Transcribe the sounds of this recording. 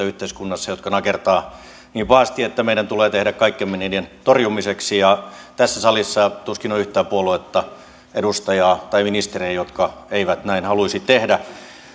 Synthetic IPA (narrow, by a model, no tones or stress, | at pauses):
yht̪eiskunːɑsːɑjot̪kɑnɑkert̪ɑː | niːpɑːst̪iet̪ːæmeiɾænt̪uleːt̪ehɾækkɑikːemmeninient̪orjumiseksijɑt̪æsːæsɑlisːɑt̪uskinoyht̪æːpuoluet̪ːɑ | edust̪ɑjɑːt̪ɑiminist̪ereːjot̪kɑeiʋæt̪næinhɑluisit̪t̪ehdæ